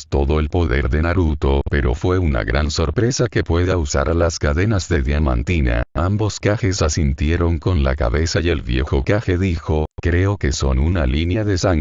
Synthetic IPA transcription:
t̪o̞ðo̞elpo̞ðe̞̰ɾðenaɾut̪o̞pe̞ɾo̞̰fwe̞una̰ɣɾanso̞ɾpɾe̞sake̞pwe̞ðausa̰ɾʔalaskaðe̞nazðe̞ðjamã̰nt̪ina̰ambo̞skaxesasint̪je̞ɾo̞ŋko̞nla̰ka̰βe̞saje̞lβje̞̰xo̞kaxe̞ðixo̞kɾe̞okeso̞nunalinjaðe̞saŋ

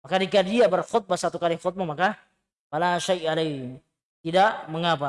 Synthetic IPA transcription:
makadikadiabərxʊt̪̚basat̪ukalixɔt̪̚mamaka | kalaʃajala | t̪idaʔməŋapa

